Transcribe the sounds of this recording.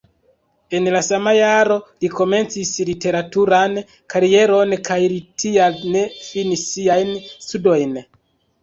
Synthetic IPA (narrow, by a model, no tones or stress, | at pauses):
e̞nlasamajaɾo̞liko̞me̞nt͡sislite̞ɾatuɾan | kaɾie̞ɾo̞nkajlitʰialne̞finiiajnstudo̞jn